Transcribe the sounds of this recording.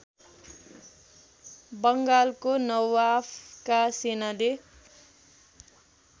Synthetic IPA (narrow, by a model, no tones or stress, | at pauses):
bʌŋɡalkonʌwapʰkasenale